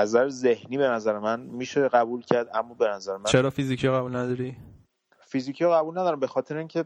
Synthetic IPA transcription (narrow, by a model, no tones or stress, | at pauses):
æzæɾeze̞hniːbe̞næzæɾemænmiːʃeɢæbuːlcʰæɾd̪ʔæmːɔːbe̞næzæɾemæt͡ʃnʰeɾɒːfizicʰijɒɣæbulnæd̪ɒɾi | fiziːcʰijɒɣæbulnæd̪ɒɾæmbe̞xɒːt̪ʰe̞ɾeiŋcʰe̞